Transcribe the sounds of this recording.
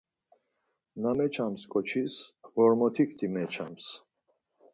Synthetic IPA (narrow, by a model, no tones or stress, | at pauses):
namɛt͡ʃʰamskʼɔt͡ʃʰisʁɔɾmɔt̪ʰikʰt̪ʰʼimɛt͡ʃʰa̰ms